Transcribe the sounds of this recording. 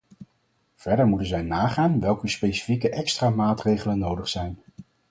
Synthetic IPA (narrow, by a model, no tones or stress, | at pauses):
v̥ɛɹdəɹmutənzɛjnaːχaːnʋɛlˠkəspejsi̥fikəʔɛkstramaːtrejχələnːowdəχsɛjn